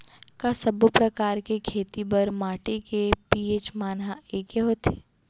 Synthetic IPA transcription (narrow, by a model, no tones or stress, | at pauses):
kasɐbopɾɐkaːɾkekʰeːt̪ibɐɾmaːʈekepiːeːt͡ʃmaːnɦaeːkeɦoːt̪e̥